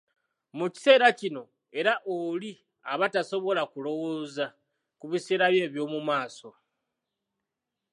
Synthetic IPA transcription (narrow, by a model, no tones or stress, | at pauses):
muci̥se̞ːɾacino̞ | e̞ɾaʔoli | aβataso̞βo̞lakulo̞woːza | kuβiseːɾaβje̞ːβjo̞ːmumaːso̞